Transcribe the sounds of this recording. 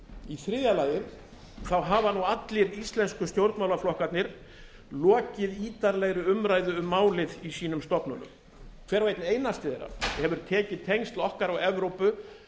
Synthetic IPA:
iθɾɪːðjalajɪɾ | θawɦaːvanuat̪lɪɾist̪lɛnskʏst̪jowɾt̪nmawlaflɔhkat̪nɪɾ̥ | lɔːcɪðiːt̪aɾlɛɣɾʏʏmɾaːjðʏʏmːaːwlɪðisiːnʏmst̪ɔpnʏnʏ̰m | kʰv̥ɛːɾvejt̪nejnast̪ɪðɛjɾa̰hɛvʏɾ̥t̪ʰɛːcɪðt̪ʰejŋst̪lɔhkaɾawɛvɾowpʏ

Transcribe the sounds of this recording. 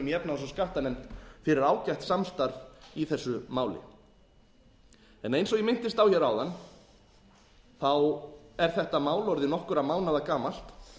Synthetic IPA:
mjɛpnas̬ɔskaht̪anɛmt̪fɪɾɪɾaːwcajht̪samst̪aɾviθɛsːʏmaːwlɪ̰ | ɛnejnsɔɣjɛmɪn̥t̪ɪst̪awçɛɾaːwðan | θawɛɾ̥θɛht̪amaːwlɔɾðɪnɔhkʏɾamaːwnaðakaːmal̥t̪

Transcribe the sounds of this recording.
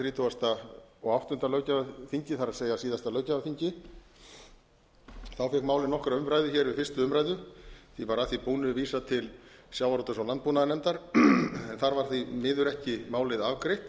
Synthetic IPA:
ɾiːt̪ʰuast̪aɔɣawht̪ʏn̥t̪alœɥcaaθiɲcɪθaɾaseːjasiːðast̪alœːɥcavaθiɲcɪ | θawfɛkmaːwlɪðnɔhkɾaʏmɾajðʏçɛːɾvɪfɪrst̪ʏʏmɾajðʏθivaɾaθipuːnʏviːsat̪ʰɪl | sjawvaɾowt̪ʏsawlant̪puːnaðnɛmt̪aɾ̥ɛnθaɾvaɾ̥θimɪːðʏɾɛhcɪmaːwlɪðavkɾejht̪

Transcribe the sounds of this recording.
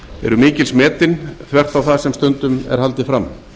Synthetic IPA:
ɛ̰ɾʏmiːcɪlsmɛːt̪ɪnθvɛr̥t̪awθaðsɛmst̪œnt̪ʏmɛ̰ɾ̥halt̪ɪfɾam

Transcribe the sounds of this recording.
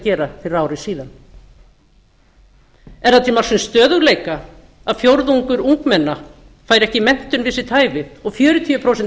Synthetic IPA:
cɛːɾafɪɾɪɾawɾɪsiːðan | ɛɾθat̪ʰɪlmalsɪnst̪œːðʏɣleːjka | aðfjowɾðuŋkʏɾuŋkmɛnːa | faːjɾɛhcɪmɛn̥t̪ʏnvɪsɪt̪ʰaːjvɪɔɣfjœːɾʏt̪ʰiʏpʰɾowsɛn

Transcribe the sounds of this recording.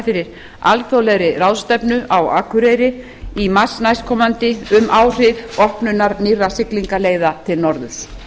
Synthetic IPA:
fɪɾɪɾ | a̰lθowlɛɣɾɪrawðst̪ɛpnʏʔawa̰ːkʰʏɾeːjɾɪ | imasnajskʰɔːmant̪ɪʏmʔaːwr̥ɪðɔhpnʏnːaɾnirːasɪkliŋkaleːjðat̪ʰɪlnɔɾðʏs

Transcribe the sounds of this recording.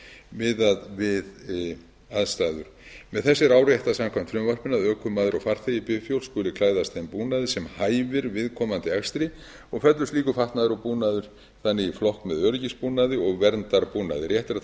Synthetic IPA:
vɪðaðvɪð | aðst̪aːðʏɾ̥mɛðθɛsːɪɾaːwɾrjaɛjht̪asamkʰvamt̪ʰɾʏmvar̥pɪnːaðœːkʰʏmːaːðɪɾɔfaɾθɛjɪpɪfjowlskʏːlʏkʰlaːjðast̪empuːnaðɪsɛmhaːjvɪɾvɪðkʰɔːmant̪ɪaxst̪ɾɪ | ɔɣfɛt̪lʏsliːkʏfaht̪naðʏɾɔwpuːnaðʏɾ̥ | θanːɪɣiflɔhkmɛðœɾcɪspuːnaðɪɔɣvɛɾnt̪aɾpuːna̰ðɪɾjɛht̪ɪɾa

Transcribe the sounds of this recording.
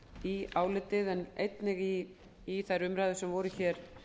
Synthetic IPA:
iaːwlɪt̪ɪðɛnejt̪nɪɣi | iθajɾʏmɾajðʏsɛmvɔːɾʏçɛːɾ̥

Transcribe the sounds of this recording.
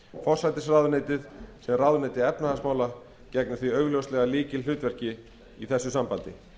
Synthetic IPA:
fɔr̥sajt̪ɪsraðʏneːjt̪ɪðsɛmraðʏnejt̪ɪɛpnahasmaːwla | cɛknʏθviœɥɣlœwstlɛɣaliːcɪlʏːt̪vɛr̥cɪ | iθɛsːʏsampant̪ɪ

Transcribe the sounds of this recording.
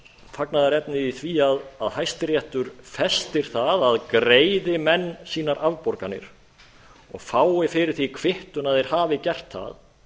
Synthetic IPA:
faknaðaɾɛpnɪiθviːaðaðhajst̪ɪɾjɛht̪ʏɾ̥fɛst̪ɪɾ̥θaðaðkɾeːjðɪmɛnːsiːnaɾʔavpɔɾkanɪ̰ɾ̥ | ɔɣfaːwɪfɪɾɪɾ̥θikʰvɪht̪ʏnaðɛɾ̥haːvɪcɛr̥t̪θa̰ð

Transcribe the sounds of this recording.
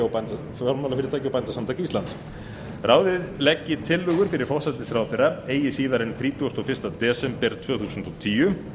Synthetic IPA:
awpant̪a | aɾmawlafɪɾɪɾt̪ʰaːcɪawpajnt̪asamt̪ʰaːcist̪lant̪s | rʔaːwðɪðlɛcːɪt̪ʰɪlːʏːɣʏɾ̥fɪɾɪɾ̥fɔw̥sat̪ɪsɾawðθeɾaeːjɪsiːðaɾɛnθɾiːt̪uast̪ɔfɪ̥st̪at̪ɛːsɛmpɛɾt̪ʰv̥œːɣθuːsʏnt̪ɔt̪ʰiːʏ

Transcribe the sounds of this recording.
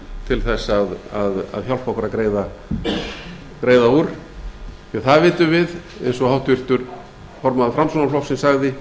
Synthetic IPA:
t̪ʰɪlθɛsːaðaða̰ðçjal̥pahkʏɾaðkɾeːjða | kɾeːjðauɾ | θjɛθaðvɪːt̪ʏvɪð | ḛjnsɔɣhawht̪vʏr̥t̪ʏɾ | fɔɾmaðafɾamsɔnaflɔwfsɛnsaɣðɪ

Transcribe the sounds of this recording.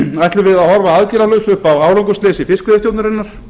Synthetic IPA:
ajht̪lʏvɪðaðhɔɾvaaðciɾalœɥsʏhpawaːwlowŋkʏseːsɪfɪskʏɪst̪jowt̪nʏɾɪnːaɾ̥

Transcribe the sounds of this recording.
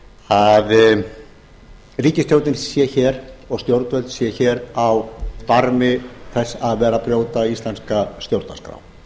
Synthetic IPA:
hað | riːcɪst̪jowɾt̪ɪnsjɛçɛːɾɔɣst̪jowɾt̪vɛlt̪sjɛçɛːɾawfaɾmɪθɛsːaðvɛːɾapɾjoːwt̪aist̪lanskast̪jowɾt̪na̰skɾa̰w

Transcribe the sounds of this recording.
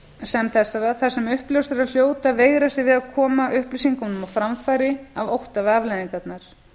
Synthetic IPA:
sɛmθɛsːaɾaθḁsɛmʏhplowst̪ʏɾal̥joːwt̪aveːjɣɾast̪ɪvɪðaðkʰɔːmaʔʏhplisiŋkɔnʏmafɾamfaːjɾɪavowht̪avavlaðiŋkat̪naɾ̥

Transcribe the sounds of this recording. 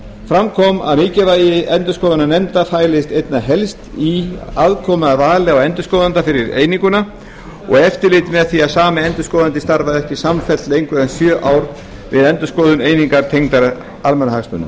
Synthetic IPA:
fɾamkʰɔma̰ðmɪːcɪvaːjɪɛnt̪ʏskɔːðʏnanɛmt̪afaːjlɪst̪ejt̪naɦɛlst̪iaðkʰɔmʏðavaːɣlɪawɛnt̪ʏ̥skɔːðant̪afɪɾɪɾḛːjniŋkʏna | ɔ̰ɣɛft̪ɪɾlɪːt̪ɪmɛðθiaðsaːmɪɛnt̪ʏskɔːðant̪ɪst̪aɾvaðɛhcɪsamfɛlt̪lejŋkvʏðɛnsjœːʔaːwɾ | vɪðɛnt̪ʏskɔːðʏnejniŋkaɾ̥t̪ʰejŋt̪aɾ | almɛnahakspʏ̰nːʏm

